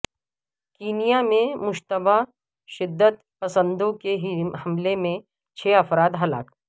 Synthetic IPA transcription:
kiːnijamẽmʊʃt̪əba | ʃɪd̪ːət̪pɐsə̃nd̪õkeɦihɐmlemẽ | t͡ʃʰɛːɐfɾaːd̪ɦɐla̰ːk

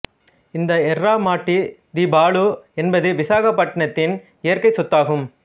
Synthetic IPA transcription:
ɪnd̪ɐɛrːaːmaːʈːid̪ibaːɭuɛnbɐðɯʋɪsaːɣɐpːɐʈːɐɳɐt̪ːɪn | ɪjɐɾkɐɪsʊt̪ːaːɣɯm

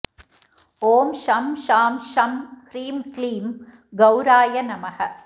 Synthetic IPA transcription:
oːmʃɐmʃaːmʃɐmhɾiːmkliːm | ɡɐwɾaːjɐnɐmɐhɐ

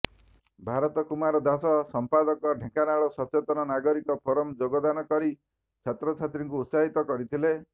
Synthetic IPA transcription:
bʱaɾɔt̪ɔkumaɾɔd̪asɔsɔmpad̪ɔkɔɖʱekanaɭɔsɔt͡ʃet̪ɔnɔnaɡɔɾikɔpʰɔɾɔmd͡ʒoɡɔd̪anɔkɔɾi | t͡ʃʰat̪ɾɔt͡ʃʰat̪ɾiŋkuːt̪saɦit̪ɔkɔɾit̪ʰile

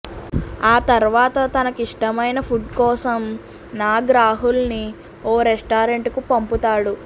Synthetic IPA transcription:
aːt̪ɐɾʋaːt̪ɐt̪ɐnɐkiʂʈɐmɐjnɐpʰuɖ̚kɔːsɐm | naːɡɾaːɦulni | ɔːɾesʈaːɾeɳʈkupɐmput̪aːɽu

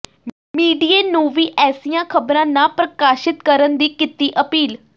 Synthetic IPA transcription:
miːɖiːeːnũːʋiːʔɛːsijãːkʰəbɾãːnãːpɾəkaːʃɪt̪kəɾənd̪iːkɪt̪iːʔəpiːl

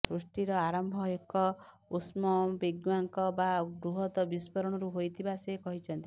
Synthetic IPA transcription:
sɾuʂʈiɾɔaɾɔmbʱɔekɔ | usmɔbiɡwaŋkɔbaɡɾuɦɔt̪ɔbispɔɾɔɽ̃ɔɾuɦojt̪ʰibasekɔɦit͡ʃʰɔnt̪i

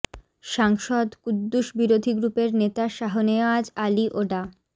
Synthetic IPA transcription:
ʃaŋʃod̪kud̪ːuʃbiɾod̪ʱiɡɾupeɾnet̪aʃaɦonead͡ʑaliʔoɖa

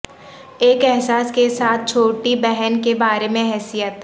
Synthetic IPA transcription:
eːkɛɦsaːskesaːt̪̚ʰt͡ʃʰoːʈibɛɦənkebaːɾemẽɦɛːsijət̪

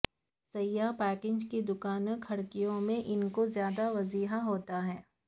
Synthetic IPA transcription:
sɐjːaːpɛːkɪ̃ːd͡ʒkid̪ʊkaːnəkʰhɐɽkijõmẽʔɪnkozjaːd̪aʋɐziːɦaɦoːt̪aɦɛː

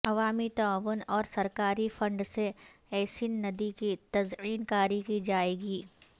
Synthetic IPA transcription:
ɐʋaːmit̪aaːʋʊnɔːɾsɐɾkaːɾifɐ̃ɳɖseɛːsinːɐd̪ikit̪ɐziːnkaːɾikid͡ʒaːeːɡiː

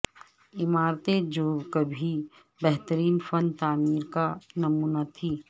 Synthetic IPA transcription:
ɪmaːɾt̪ed͡ʒoːbkəbʱi | bɛɦt̪əɾiːnfənt̪aːmiːɾkanɐmuːnat̪ʰiː

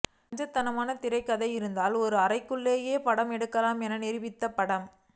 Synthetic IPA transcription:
ɲd͡ʒɐt̪ːɐnɐmaːnɐt̪ɪɾɐɪkːɐðɐɪɪɾɯnd̪aːlɔɾɯɐrɐɪkːɯɭːeːjeːpɐɽɐmɛɽɯkːɐlaːmɛnɐnɛɾɪʋɪt̪ːɐpɐɽɐm

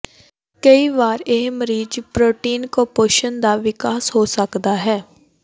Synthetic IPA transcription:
kəiʋaːɾeɦməɾiːd͡ʒpɾoːʈiːnkopoːʃənd̪aʋɪkaːsɦosəkd̪aɦɛː

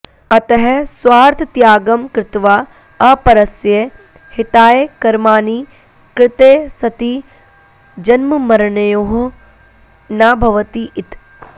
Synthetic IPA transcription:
ɐt̪ɐɦɛsʋaːɾt̪ʰt̪jaːɡɐmkɾɪt̪ʋaː | ɐpɐɾɐsje | hɪt̪aːjekɐɾmaːniː | kɾɪt̪eːsɐt̪iː | d͡ʒɐnmɐmɐɾɳɐjoːɦ | naːbʱɐʋɐt̪iʔit̪

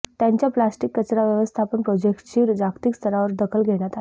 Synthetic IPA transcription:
t̪jaɲt͡ɕjaplasʈikːət͡ɕɾaʋjəʋəst̪ʰapəɳpɾɔd͡ʑekʈt͡ɕiːɾd͡ʑakt̪ikst̪ʰəɾaʋəɾd̪əkʰəlɡʱeɽ̃jat̪ae

